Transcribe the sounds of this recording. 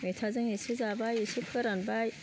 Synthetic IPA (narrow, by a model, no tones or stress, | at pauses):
metʰazɐŋjiʃizaːbaːjeʃipʰɨɾɐnbaj